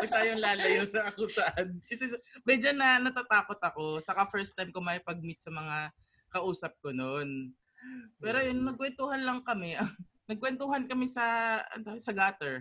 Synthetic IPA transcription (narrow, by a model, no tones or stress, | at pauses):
mɐɡ̚t̪aːjoŋlaːlɐjosɐɐkosɐʔankɐsɛmɛd͡ʒɐnːɐnɐt̪at̪aːko̞t̪ɐko̞sɐkafɛɹst̪ajmkomɐjpɐɡ̚mɪt̪̚sɐmɐŋa | kɐʔuːsɐp̚konon | pɛːɾojonːɐɡ̚kwɛnt̪uːhɐnlɐŋkɐmɛʔɐŋ | nɐɡ̚kwɛnt̪uɦɐnkɐmɛsɐɐ̰nosɐɡaːt̪ɛɹ